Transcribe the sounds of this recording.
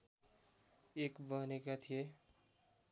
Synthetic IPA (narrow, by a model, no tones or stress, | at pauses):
ekbʌɦnekat̪ʰije